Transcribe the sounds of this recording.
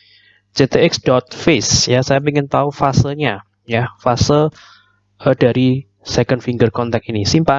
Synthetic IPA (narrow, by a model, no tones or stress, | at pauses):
d͡ʒet̪eɪksdɔt̪̚fɪsjasajapeŋɪnt̪aufasəlɲa | jafasəl | ədaɾi | sɛkəndfiŋɡərkɔnt̪ɛk̚inisimpa